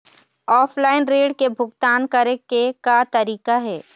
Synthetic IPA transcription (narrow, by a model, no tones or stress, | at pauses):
ɔːpʰlaːɪnɾeːɖkebʱʊɡt̪aːnkɐɾekekat̪ɐɾiːkaɦɛː